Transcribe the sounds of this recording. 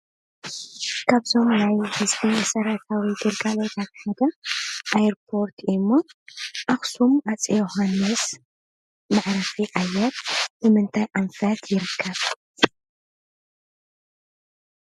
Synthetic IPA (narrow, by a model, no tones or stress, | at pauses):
kʰaβzo̞mnajhɨzbinɐsɐɾat̪ʰawid̪ɨlkʼalot̪ʰat̪ħad̪ɐʔajɛɾpʰo̞ɾt̪ʰɪmːo̞ʔaxsumat͡sʼjohanːɨs | maʕɾɐfiʔajːɐt̪bɨmɨnt̪ʰajʔamfɐt̪jɪɾɨkʰːɐβ